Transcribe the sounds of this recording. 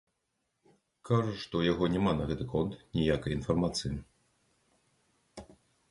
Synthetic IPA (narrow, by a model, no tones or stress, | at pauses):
kʰaʐɐʂt̪ɔjaɣɔnʲɛmanɐɣɛt̪ɨkɔnt̪nʲijakɐjinfarmat̪sɨji